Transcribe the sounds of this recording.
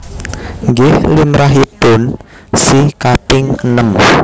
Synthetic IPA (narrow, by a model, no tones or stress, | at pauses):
ŋɡɪhlimɾaɦipʊn | sikat̪ɪŋənəm